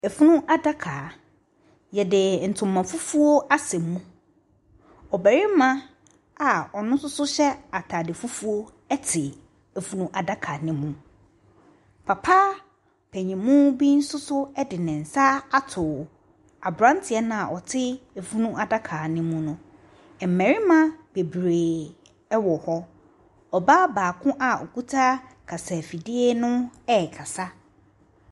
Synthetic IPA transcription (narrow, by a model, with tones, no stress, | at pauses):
ɛ˨fu˦nũ˦ʔa˦da˦kʰaː˨ | jɛ˨dɪ˨n̩˨tʰʊ̃˨mːã˨fu˦fu˦o˦a˦sɛ̃˨mːũ˦ | ɔ˨bæ˨ɾɪ˦mã˦ | a˨ɔ˨nʊ̃˦sʊ˦sʊ˦ɕɛ˦a˨tʰa˨dɪ˨fu˦fu˦o˦ | ɛ˦tʰɪ˨ | e˨fu˦nũ˦ʔa˨da˦kʰa˨nɪ̃˨mũ˨ | pʰa˨pʰaː˦ | pʰɛ˨ɲĩ˨mũ˦bi˦n̩˦sʊ˦sʊ˦ɛ˦dɪ˨nɪ̃˨n̩˨sa˦a˦tʰʊ˨ | a˨bɾã˦ntʰɪ˨ɛ˦nã˨a˨ʔɔ˨tʰɪ˦e˨fu˦nũ˦ʔa˨da˦kʰa˨nɪ̃˦mũ˦nʊ̃˦˨ | m̩˨mɛ̃˨ɾɪ˦mã˦b̥e˨bɾeː˨ | ɛ˦wɔ˨hɔ˦ | ɔ˨baː˦baː˨kʰʊ̃˦ʔa˨ɔ̰˨ku˦tʰa˦kʰa˨sa˨fi˨di˦e˦nʊ̃˦ɛ˦˨kʰa˨sa˦